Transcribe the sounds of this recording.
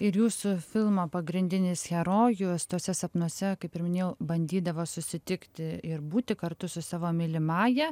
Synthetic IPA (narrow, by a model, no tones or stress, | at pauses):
ɪɾjuːsʊfʲɪlˠmoːpɐɡɾʲɪnʲd̪ʲɪnʲɪsxʲɛɾoːjʊst̪oːsʲɛsɐpnuɔsʲɛkɐɪpʲɪɾʲmʲɪnʲeːjɛʊbɐnʲd̪ʲiːd̪ɐʋoːsʊsʲɪt̪ʲɪkt̪ʲɪɪɾbuːt̪ʲɪkɐɾt̪ʊsʊsɑːʋoːmʲɪlʲɪmɑːjɛ